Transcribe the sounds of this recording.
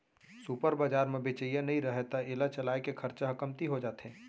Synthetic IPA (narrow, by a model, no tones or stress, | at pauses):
supəɾbad͡ʒaːɾmẽbet͡ʃəjanɐɦĩɾɐɦɛt̪aɪlat͡ʃɐlaːekekʰɐɾt͡ʃaɦɐkəmt̪iɦod͡ʒaːt̪ɦɛ̃ː